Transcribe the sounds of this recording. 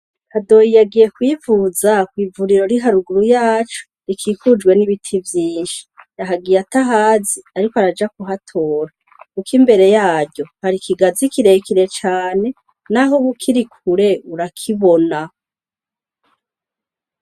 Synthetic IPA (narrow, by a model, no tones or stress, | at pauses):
hado̞jijaɡije̞kwiːvuzakwiːvuɾiɾo̞ɾiɦaɾuɡuɾujaːt͡ʃu̥ | ɾikʰiːkud͡ʒɡwe̞niβitʰivjiːnʃi̥jaɦaɡijataɦaːziaɾikoaɾad͡ʒak̚uɦatʰo̞ːɾa | kukʰimbe̞ɾe̞jaːɾɟo̞haɾikʰiɡazikiɾe̞kʰiɾe̞t͡ʃaːne̞ | naɦoβukʰiɾikʰuɾe̞uɾakʰiβo̞na